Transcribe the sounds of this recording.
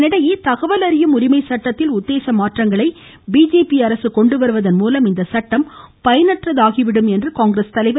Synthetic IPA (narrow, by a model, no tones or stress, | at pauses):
nɪɽɐjit̪ɐɣɐʋɐlɐɾɪjɐmʊɾɪmɐɪsɐʈːɐt̪ːɪlʊt̪ːeːsɐmaːʈrɐŋɡɐɭɐɪ | biːd͡ʒeːpiɐɾɐsɯkɔɳɖɯʋɐɾɯʋɐðɐnmuːlɐmɪnd̪ɐsɐʈːɐmpɐjɐnɐʈrɐðaːɣɪʋɪɽɯmɛndrɯkaːŋɡɾɐst̪ɐlɐɪʋɐ